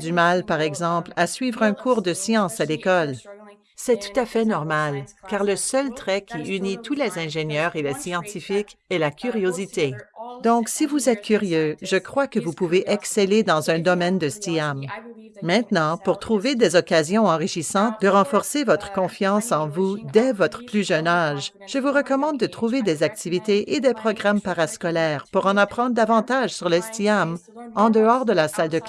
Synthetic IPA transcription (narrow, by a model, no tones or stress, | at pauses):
d̪ymalpaʁɛɡzɑ̃plasɥiːvʁœ̃kʰuːʁd̪əsjɑ̃salekɔl | sɛt̪u̥t̪afɛnɔʁmalkaːʁləsœlt̪ʁɛkʲʰiynit̪ulezɛ̃ʒeɲjœːʁelɛsjɑ̃t̪ifikɛlakʲʰyʁjozit̪ed̪ɔ̃ksivuzɛt̪̚kʲyʁjøʒəkχwakəvupuveʔɛksɛled̪ɑ̃zɛ̃d̪ɔmɛnd̪əst̪iamː | ɛ̃t̪nɑ̃puʁt̪χuved̪ɛzɔkazjɔ̃ɑ̃ʁiʃisɑ̃t̪̚d̪əʁɑ̃fɔʁsevɔt̪χə̥kɔ̃fjɑ̃sɑ̃vud̪ɛvɔt̪χə̥plyʒœnaʒ | ʒ̥əvuʁəkɔmɑ̃d̪̚ːət̪χuved̪ɛzak̚t̪ʰivit̪eʔed̪ɛpχɔɡʁampaʁaskɔlɛːʁpuʁɑ̃napχɑ̃d̪ʁd̪avɑ̃t̪aʒsyʁləst̪iamɑ̃d̪əɔːʁd̪əlasald̪ək